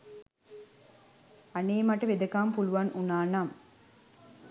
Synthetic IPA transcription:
aneːmɐʈɐʋed̪ɐkaːmpuluʋanʔunaːnam

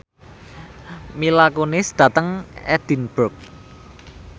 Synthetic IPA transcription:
milakonɪsd̪̥ä̤t̪əŋɛ̰d̪̥i̤nb̥ʊk̚

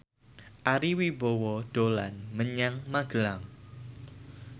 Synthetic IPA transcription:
ʔaɾiwibowɔd̥olanməɲaŋmaɡ̥əlaŋ

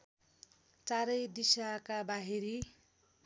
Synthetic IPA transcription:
t͡saɾʌjd̪isakabaɦiɾi

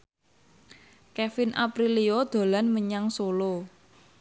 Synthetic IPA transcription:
kɛfɪnʔa̰pɾiliod̪̥o̤lanməɲaŋsolo

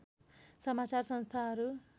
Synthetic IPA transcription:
sʌmat͡sarsʌnst̪ʰaɦʌɾu

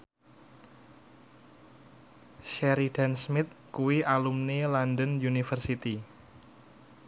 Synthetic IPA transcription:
ʃɛɾid̥ansmɪt̪̚kuwiʔalumnelandənjunifərsit̪i

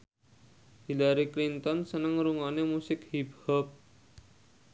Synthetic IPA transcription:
hilaɾiklint̪ɔnsənəŋɾuŋanemusɪkhibɔp̚

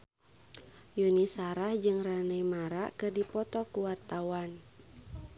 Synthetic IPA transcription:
junisaɾahd͡ʒɨŋranəjmaɾakɨrdipɔt̪ɔkuwart̪awan

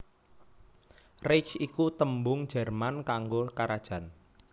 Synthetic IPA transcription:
rɪkt͡ʃikut̪əmbʊŋ̥d͡ʒ̥ɛ̤rmankaŋɡokaɾad̥ʒ̥a̤n

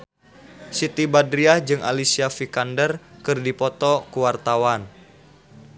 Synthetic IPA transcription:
sit̪ibadɾiad͡ʒɨŋa̰lisiafikandərkɨrdipɔt̪ɔkuwart̪awan

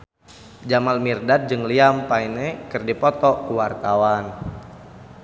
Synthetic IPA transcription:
d͡ʒamalmirdat̪̚d͡ʒɨŋliampainɛkɨrdipɔt̪ɔkuwart̪awan

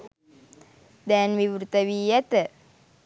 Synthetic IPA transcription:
d̪ɛːnʋiʋɾut̪ɐʋiːjɐt̪ə

